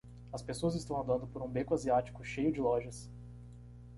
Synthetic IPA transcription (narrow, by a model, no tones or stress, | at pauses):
ɐspesoɐzɪst̪ɐ̃w̃ɐ̃nd̪ɐ̃nd̪ʊpoɾũbekʊaziat͡ʃi̥kʊʃejʊd͡ʒɪlɔʒɐs